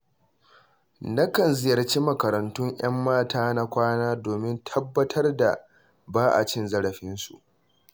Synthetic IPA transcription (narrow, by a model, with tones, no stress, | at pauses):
na˦kɐ˨nzɪ˦jɐ˨rt͡ʃi˦mɐ˨kɐ˨ɾɐ˨ntʊ˦ɲj̰ɐ˦mːaː˦taː˦na˦kʷaː˦naː˦doː˨mɪ˦ntʰɐ˦bːɐ˦tʰɐ˦rda˨ | baː˦ʔa̰˨t͡ʃɪ˦nzɐ˦ɽɐ˨ɸɪ˦nsṵ˨ʔ